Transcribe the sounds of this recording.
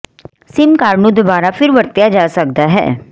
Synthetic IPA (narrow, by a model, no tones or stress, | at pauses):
sɪmkaːɾnũːd̪obaːɾapʰɪɾʋəɾt̪jaːd͡ʒaːsək̚d̪aɦɛ̰ː